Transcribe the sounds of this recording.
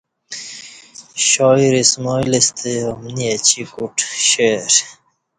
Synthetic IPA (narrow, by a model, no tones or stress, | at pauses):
ɕɔːiɾismɔːilist̪ʰeomniet͡ɕikuʈɕeɾ